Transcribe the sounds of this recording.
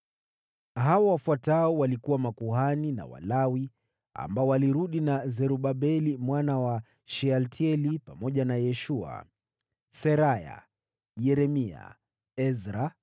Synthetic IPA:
ɦawawafwataɔwalikuwamakuhanina̰wa̰lawi | a̰mbaɔwaliɾuɗinazɛɾuɓaɓɛlimwanawa | ʃɛaltʰiɛlipamɔʄanajɛʃua̰ | sɛɾaja̰ | jɛɾɛmia̰ | ɛzɾa

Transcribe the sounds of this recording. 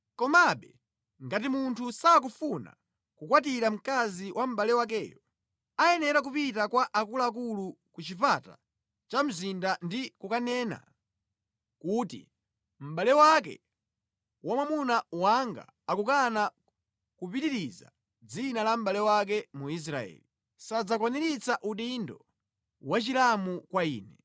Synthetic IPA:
kɔmaɓɛ | ŋɡat̬imuntʰusaːk̬ufuna̰ | kukwat̬iɾam̩kaziwam̩ɓalɛwak̬ɛ̰jɔ | ajɛnɛɾak̬upitakwaʔakulaːk̬ulukut͡ʃipata̰ | t͡ʃam̩zindandikukanɛːna̰ | kutḭ | m̩ɓalɛwak̬ɛ̰ | wʔamwamunawaŋɡa̰ | akukana | kupitiɾiza̰ | d͡zinalam̩ɓalɛwak̬ɛmuis̬ɾa̰ɛ̰ːli | sad͡zakwɔnɛɾit͡saʔuɗindɔ | wat͡ʃilamukwaiːnɛ

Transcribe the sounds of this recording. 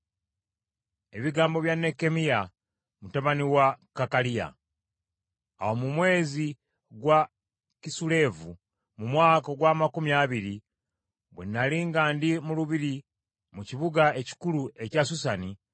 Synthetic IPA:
e̞βiɡaːmbo̞βjanːe̞ke̞mija | mutaβaniwakakalia̰ | a̰wo̞mumwe̞ːzi | ɡwa | kisule̞ːvu | mumwaːkoɡwaːmakumiaβiɾi | bwḛnːaliŋɡaːndimuluβiɾi | muciβuɡaeci̥kulue̞cas̬usani

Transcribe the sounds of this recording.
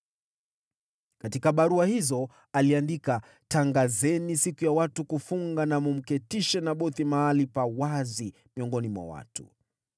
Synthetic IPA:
katikaɓaɾuahizɔ | aliandika | taŋɡazɛnisikujawatukufuŋɡanamum̩kɛtiʃɛnaɓɔθimaːlipawazi | miɔŋɡɔnimwa̰wa̰tṵ

